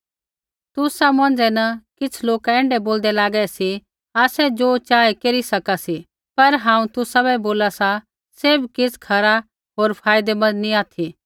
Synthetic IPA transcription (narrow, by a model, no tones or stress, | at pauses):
t̪ʊsamɐ̃nd͡zɛnɐkɪt͡sʰloːkɛ̃ːɳɖɛboːld̪ɛlaːɡɛsi | aːsɛd͡ʒoːt͡ʃaːekeːɾisɐkasi | pɐɾɦãːũt̪ʊsabɛboːlasa | seːbkɪskʰɐɾa | ɦoːɾpʰaːɪd̪emɐ̃niaːt̪ʰi